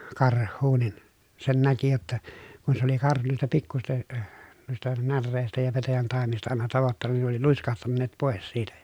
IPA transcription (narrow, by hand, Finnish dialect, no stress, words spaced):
kɑrhˑuː nin sen næki jotːɑ kun se oli kɑrhu nuistɑ pikːusistɑ nuistɑ nærːeˑistæ jɑ petæjæntɑˑemistɑ ɑˑenɑ tɑʋotːɑnːɑ nin ne oli luiskɑhtɑnːeːt poˑes siːtæ jɑ